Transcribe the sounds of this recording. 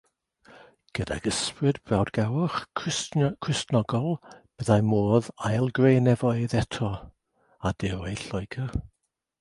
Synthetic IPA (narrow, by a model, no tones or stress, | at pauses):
ɡ̥əda̰ɡ̥əsprɨdbrawdɡawʊχskʰrɪstnɔɡɔlˠb̥əðajmoːðajlˠɡrejnɛvɔɨðɛtʰɔ | ad̥ɪɾejɬɔjɡər